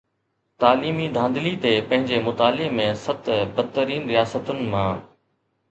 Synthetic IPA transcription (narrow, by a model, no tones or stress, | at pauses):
t̪aːliːmid̪ʱãːnd̪lit̪epɐ̃ɦɪ̃ɲd͡ʑemʊt̪aːlemẽsɐt̪bɐd̪̚t̪ːəɾiːnɾijaːsət̪ʊnɪ̆mãː